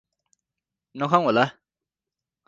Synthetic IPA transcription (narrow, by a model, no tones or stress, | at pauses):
nɔkʰaw̃ɦola